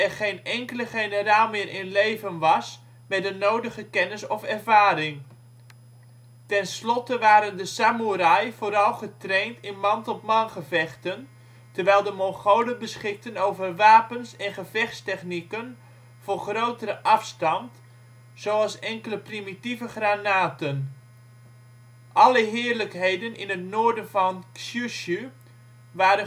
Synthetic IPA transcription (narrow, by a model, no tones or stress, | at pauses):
ɛrχejnɛŋkələχejnəraːlˠmɪːɾʔɪnlejvənʋɑs | mɛtdənowdəχəkɛnəsɔfɛrvaːɾɪŋ | tɛnslɔtəʋaːɾəndəsamuɾajvoːɾɑlˠχətrejntɪnmɑntɔpmɑnχəvɛχtən | tərʋɛjlˠdəmɔŋχowlənbəsχɪk̚tənowvərʋaːpənsɛnχəvɛχtstɛχnikən | v̥oːrχrowtəɾəʔɑfstɑnt | sowɑlˠsɛŋkələprimitivəχranaːtən | ʔɑləɦɪːərləkɦejdənɪ̰nɦətnoːrdənvɑnsyʃy | ʋaːɾə